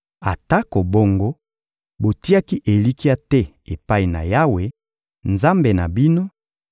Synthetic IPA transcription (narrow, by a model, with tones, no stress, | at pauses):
a̰˨ta˦ko˨bo˦ŋɡo˦ | bo˨ti˦a˦ki˦ʔe˨li˦ki˦a˦tɛ˦ | e˨pa˦i˨na̰˨ja˦we˨ | nza˦mbe˨na˨bi˦no˦